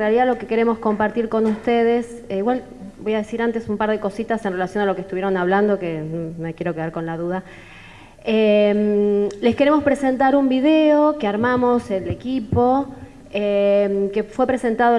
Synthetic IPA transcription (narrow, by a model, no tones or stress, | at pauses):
realiðalo̞keke̞ɾe̞mo̞sko̞mpaɾt̪iɾko̞nust̪eð̞es | iɣwal | bo̞jað̞e̞siɾant̪e̞sumpaɾð̞e̞ko̞sit̪asenrelasjo̞nalokeːst̪uβjeɾo̞naβ̞land̪okemekje̞ɾo̞keaɾko̞nlaðuð̞a | emle̞ske̞ɾe̞mo̞spɾese̞nt̪aɾumbiðeokeaɾmamo̞selekipo̞ | emkefwe̞pɾe̞se̞nt̪aðo